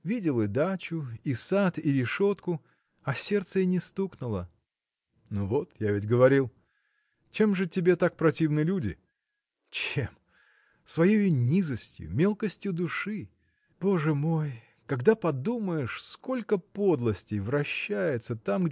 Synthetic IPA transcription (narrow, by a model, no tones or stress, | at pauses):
vʲidʲɪlˠɨd̪at͡ɕʊisat̪iɾʲɪʂo̞t̪kʊ | ɐsʲe̞rt̪sənʲɪst̪uknʊlˠə | nuvo̞t̪javʲɪtʲɡəvɐɾʲilˠ | t͡ɕe̞mʐɨtʲɪbʲe̞t̪ak̚pɾɐtʲivnɨlʲudʲɪ̰ | t͡ɕem | svɐjejʊnʲizəsʲtʲjʊ̰mʲe̞lˠkəsʲtʲjʊd̪ʊʂɨ | b̥o̞ʐɨmo̞j | kɐɡd̪apɐd̪uməjɪʂsko̞lʲkəpo̞d̪lˠəsʲtʲɪjvɾɐɕːæjɪt̪sət̪amɡʲ